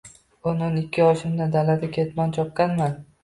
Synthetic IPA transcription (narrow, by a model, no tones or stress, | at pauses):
ononɪkʲʰːɪɒʃɪmd̪ad̪alad̪ɪkʲʰe̞t̪mant͡ʃʰɒp̚kanman